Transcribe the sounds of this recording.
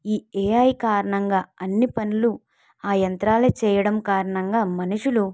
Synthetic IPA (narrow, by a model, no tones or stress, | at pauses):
iːeːaːjkaːɾɐɳɐŋɡaːɐnːipɐnulu | aːjɐnt̪ɾaːlɐt͡ʃɛːjɐɽɐmkaːɾɐɳɐŋɡaːmɐnuʂulu